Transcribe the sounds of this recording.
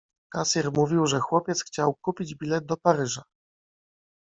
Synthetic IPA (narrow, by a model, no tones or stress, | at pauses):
kasiɾmuvʲiwʐɛxwɔpʲjɛt̪sxt͡ɕawkupʲid͡ʑbʲilɛd̪̚d̪ɔpaɾɘʐa